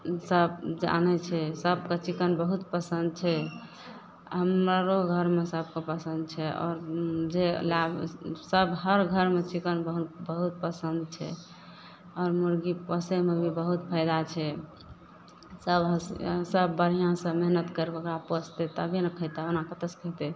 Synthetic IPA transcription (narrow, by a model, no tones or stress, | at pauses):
səbd͡ʒa̰nɛt͡ʃʰɛsəb̚kət͡ʃikənbəɦut̪pəsənd̪̚t͡ʃʰɛ | ɦəmɾaɾoɡʱəɾmesəb̚ʱkepəsənd̪̚t͡ʃʰɛɔ̰ːɾd͡ʒelabsəbɦəɾɡʱəɾmet͡ʃikənbəɦut̪bəɦut̪̚pəsənd̪t͡ʃʰɛ̰ | ɔːɾmuɾɡipəsemebʱibəɦut̪̚pʰəɪd̪at͡ʃʰɛ | səbɦəsəbːəɾijãsə̃meɦnət̪kəɾbeɡɾapəst̪et̪əbʱinəkʰəɦt̪eonakət̪əskʰəɦt̪e